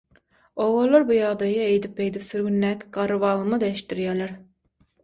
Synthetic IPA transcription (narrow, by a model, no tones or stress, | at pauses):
oʁolˠːɑɾbujɑʁd̪ɑjɑejd̪ipejd̪ipθyɾɡʲynːæːkʲʰi̥ɡɑɾɯvɑːlˠɯmɯd̪ɑeʃt̪ːiɾjæːlæɾ